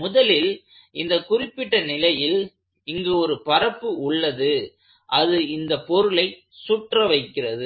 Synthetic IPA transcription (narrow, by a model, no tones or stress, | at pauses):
mʊðɐlɪl | ɪnd̪ɐkʊrɪpːɪʈːɐnɪlɐjɪl | ɪŋɡeɔɾɯpɐɾɐpːɯʊɭːɐðɯ | ʔɐðɯɪnd̪ɐpːɔɾɯlɐɪ | suʈrɐʋɐɪkːɪrɐðɯ